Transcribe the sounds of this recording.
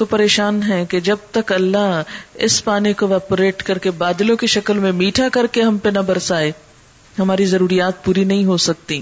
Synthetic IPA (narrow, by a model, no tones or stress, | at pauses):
t̪opɐɾeːʃaːnɦɛked͡ʒɐb̚t̪ɐkɐlːaɦɪ̰spaːnekoʋɛːpɾeːʈkɐɾkebaːd̪lõkeʃɐkəlmẽmiːʈʰakɐɾkeɦɐmpenɐbɐɾsaːe | ɦɐmaːɾizɐɾuːɾijaːt̪̚puːɾinɐɦĩɦosɐk̚t̪i